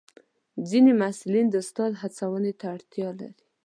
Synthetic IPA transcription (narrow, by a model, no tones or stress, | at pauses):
d͡zinemasulind̪əst̪ɑd̪ɦat͡sawənet̪aːɽt̪jɑla̰ɾi